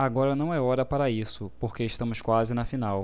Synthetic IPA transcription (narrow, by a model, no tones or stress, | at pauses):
aɡɔɾɐnɐ̃w̃ɛɔɾɐpaɾɐisʊpoχkeɪʃt̪ɐ̃mʊskwazɪnɐfinaw